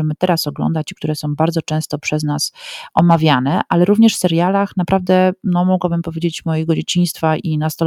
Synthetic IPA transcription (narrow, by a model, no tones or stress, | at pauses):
ɛmɘt̪ɛɾasɔɡlɔ̰nd̪at͡ɕikt̪uɾɛsɔ̃w̃baɾd̪zɔt͡ʂɛ̃w̃st̪ɔpʂɛznasʔɔmavʲjanɛʔalɛɾuvɲɛʂfsɛɾjalaxnapɾavd̪ɛnɔmuɡwabɘmpɔvʲjed͡ʑet͡ɕmɔjɛɡɔd͡ʑet͡ɕĩj̃st̪faʔinast̪ɔl